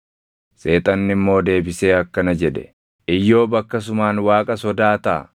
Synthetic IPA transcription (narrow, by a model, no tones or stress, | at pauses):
se̞ːt̪ʼɐnːɪmːo̞ːd̪e̞ːbɪse̞ːɐkːɐnɐd͡ʒɛd̪ɛ̥̰ | ʔɪjːo̞ːbɐkːɐs̬ʊmaːnwaːkʼɐsɔd̪aːt̪a̰ː